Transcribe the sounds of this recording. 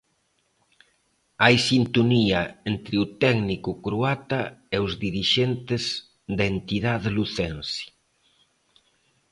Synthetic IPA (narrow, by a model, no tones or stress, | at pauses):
ajsint̪oniaent̪ɾɪut̪ɛɡnikʊkɾuat̪aeʊzðiɾiʃɛnt̪ɪz | ðd̪aent̪iðaðeluθɛnsi̥